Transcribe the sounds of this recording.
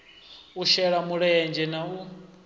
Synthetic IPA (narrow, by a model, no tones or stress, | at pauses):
uʃɛɺamuɺɛjɛnd͡ʒɛnau